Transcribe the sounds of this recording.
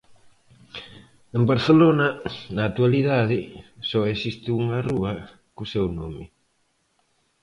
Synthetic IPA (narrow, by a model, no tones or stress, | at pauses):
embaɾθelonɐnaːt̪ualiðaðɪsɔesist̪ɪuŋaruɐ | kusewno̰mɪ